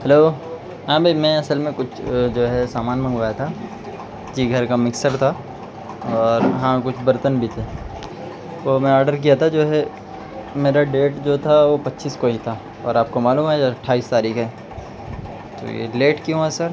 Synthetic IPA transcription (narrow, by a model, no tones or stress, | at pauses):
hɛloː | ɦãːbʱimɛ̃ɐsəlmẽkʊt͡ʃʰd͡ʒoːɦɛsaːmaːnmɐ̃ŋɡʋaːjat̪ʰa | d͡ʒiɡʱɐɾkamɪksəɾt̪ʰa | ɔːɾɦãkʊt͡ʃʰbɐɾt̪ənbʱit̪ʰeː | t̪omɛ̃ɔːɾɖəɾk̬ijat̪ʰad͡ʒoːɦɛ | meːɾaɖeːʈd͡ʒoːt̪ʰaʋopɐtːʃiːskoɦit̪ʰa | ɔːɾaːp̚komaːluːmɦɛɐʈʰːaːiːst̪aːɾiːkɦɛː | t̪o̰jḛleːʈkjõɛsəɾ